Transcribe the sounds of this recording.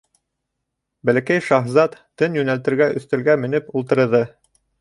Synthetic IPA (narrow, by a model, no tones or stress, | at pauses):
bælækæjʃɑɦzɑt̪ːɘnjɵ̆nælt̪ɘ̆ɾɡæʔɵ̆θt̪ɘ̆lɡæmɘ̆nɘpulˠt̪ɤ̆ɾɤ̆ðɤ